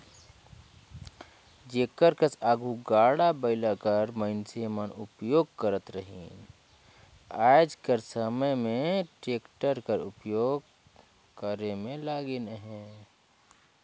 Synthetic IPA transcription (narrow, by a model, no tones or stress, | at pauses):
d͡ʒekəɾkəsaɡʱuɡaːɽabəɪlakəɾməɪnsemənʊpjoːɡkəɾət̪ɾəɦin | aɪd͡ʒkəɾsəməjmẽʈeːkʈəɾkəɾʊ̰pjoːɡ | kəɾemẽlaːɡenɦɛ̃